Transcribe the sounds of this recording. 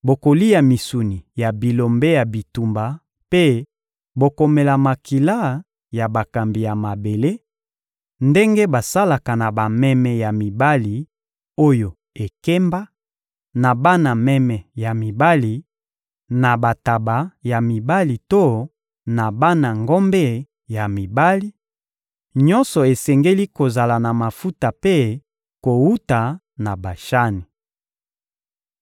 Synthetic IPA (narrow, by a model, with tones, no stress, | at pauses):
bo˨ko˨li˦ja˨mi˨su˨ni˨ja˨bi˨lo˨mbe˦ja˨bi˨tu˨mba˨ | pe˦ | bo˨ko˨me˨la˨ma˨ki˨la˦ | ja˨ba˨ka˨mbi˨ja˨ma˨be˨le˦ | nde˦ŋɡe˦ba˨sa˦la˨ka˨na˨ba˨mɛ˦mɛ˨ja˨mi˨ba˦li˨ | o˦jo˨ | e˨ke˦mba˦ | na˨ba˦na˨mɛ˦mɛ˨ja˨mi˨ba˦li˨ | na˨ba˨ta˨ba˨ja˨mi˨ba˦li˨to˦ | na˨ba˦na˨ŋɡɔ˦mbɛ˦ | ja˨mi˨ba˦li˦ | ɲɔ˦nsɔ˨e˨sɛ˨ŋɡe˦li˦ko˨za˨la˨na˨ma˨fu˦ta˨pe˦ | ko˨wu˦ta˨ | na˨ba˨ʃa˦ni˨